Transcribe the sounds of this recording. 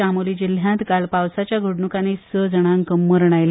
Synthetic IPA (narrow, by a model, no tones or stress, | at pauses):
amoliːd͡ʑil̤jãt̪kalpawsat͡ɕjaɡʱəɽɳukanesəd͡zəɽ̃aŋkəmːəɾɳ̃ajl